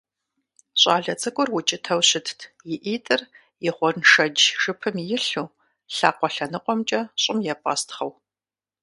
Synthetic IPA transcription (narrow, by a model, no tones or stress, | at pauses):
ɕʼaːɮɐt͡sʼɨkʷʼʊrwʊt͡ʃʼɪtʰɐwɕɪtʰtʰ | jɪʔiːtʼɨr | jɪχʷɔrnʂɐd͡ʒʒɨpʰɨmjɪɬuː | ɬaːqʷɔɬɐnɨqʷʼɔmt͡ʃʼɐɕʼɪmjɛpʼa̰ːstχɐw